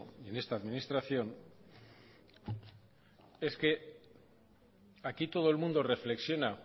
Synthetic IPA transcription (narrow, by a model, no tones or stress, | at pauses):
ene̞st̪aːðminist̪ɾaθjo̞n | e̞ske̞ | akit̪o̞ð̞o̞elmũnd̪o̞re̞fle̞ksjo̞na